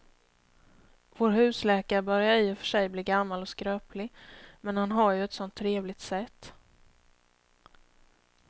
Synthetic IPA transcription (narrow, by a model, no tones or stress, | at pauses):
voːɾɦʉ̟ːslɛːkaɾəbœɾjaɾɪːɔfœ̥ʂɛjbliːɡamːalɔskɾøːplɪmɛnhanɦaɾjɵɛt̪sɔnt̪ʰːɾeːvlɪɡt̪sɛt̪ː